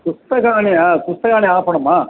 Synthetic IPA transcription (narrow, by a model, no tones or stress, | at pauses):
pust̪ɐkaːniɐkust̪ɐkaːniaːpɐɳɐmːa